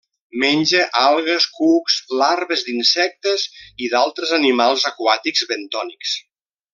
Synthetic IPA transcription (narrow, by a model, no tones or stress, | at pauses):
menʲʒeʔalˠɣəskukzlaɾβəzd̪insɛk̚t̪əziðalˠt̪ɾəzənimalˠzəkwat̪iɡzβent̪ɔniks